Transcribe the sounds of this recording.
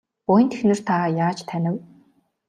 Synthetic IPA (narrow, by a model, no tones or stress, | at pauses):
pʊjə̆nt̪ʰexnɘ̆r̥t̪ʰaːjaːt͡ɕt̪ʰænʲɘ̆w